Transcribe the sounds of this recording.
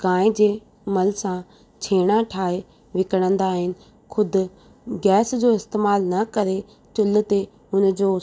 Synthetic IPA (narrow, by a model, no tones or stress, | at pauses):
ɡãːɪ̃d͡ʑeː | mɐlsã | t͡ɕʰeːɽ̃aʈʰaːɦe | ʋɪkəɽ̃ə̃nd̪aːɦɪnɪ̆ | kʰʊd̪ʊ̆ | ɡɛːsd͡ʑoːɪst̪eːmaːlnɐkɐɾe | t͡ɕʊl̆t̪e | ʊnd͡ʑoː